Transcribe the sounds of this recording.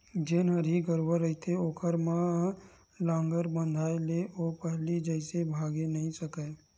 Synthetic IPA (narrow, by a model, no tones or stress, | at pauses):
d͡ʒenəɾiɡəɾwəɾəɦit̪ʰeoːkəɾmã | lãːŋɡəɾbə̃nd̪ʱaːeleʔoːpəɦlid͡ʒəɪsebʱaːɡenəɦĩsəkə